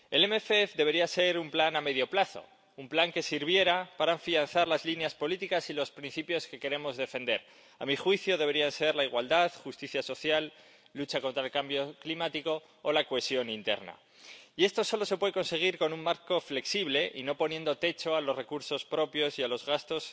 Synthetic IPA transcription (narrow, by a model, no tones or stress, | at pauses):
e̞lemefeefðe̞β̞e̞ɾiase̞ɾumplaname̞ðjo̞plaθo̞̰ | umplaŋke̞siɾβ̞je̞ɾapaɾaɱfian̟θaɾlazlinjaspo̞lit̪ikasilo̞spɾin̟θipjo̞ske̞ke̞ɾe̞mo̞zðe̞fe̞nd̪eɾ | a̰mixwiθjo̞ð̞eβe̞ɾianse̞ɾlaiɣwald̪aðxust̪iθjaso̞θjalː | ut͡ʃakont̪ɾaelkambjo̞klimat̪iko̞ː | lakoe̞sjo̞nint̪e̞̰ɾna̰ | ie̞st̪o̞so̞lo̞se̞pweeko̞nse̞ɣ̞iɾko̞nuŋmaɾko̞fle̞ksiβle̞ʔino̞po̞nje̞nd̪o̞t̪e̞t͡ʃo̞alo̞zre̞kuɾso̞spɾo̞pjo̞sialo̞zɣast̪o̞s